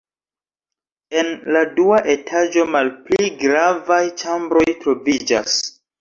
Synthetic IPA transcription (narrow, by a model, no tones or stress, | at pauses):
e̞nladuaʔe̞tʰad͡ʒo̞malpliɡɾavajt͡ʃambɾo̞jtɾo̞vid͡ʒas